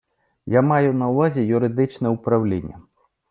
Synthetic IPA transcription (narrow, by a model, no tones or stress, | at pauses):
jamajunɐwvazʲɛjuɾɨd̪ɨt͡ʂnɐupɾawlʲḛnʲːɐ̰